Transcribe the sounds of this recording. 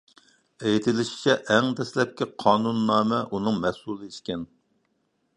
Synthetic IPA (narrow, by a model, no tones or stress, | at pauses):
ejt̪ʰɪlɪʃi̥t͡ʃʰɛʔɛŋd̪ɛslɛp̚kʲiqʰɑːnunːɑːmɛʔunɨŋmɛsulˠɨiʃkʲɛn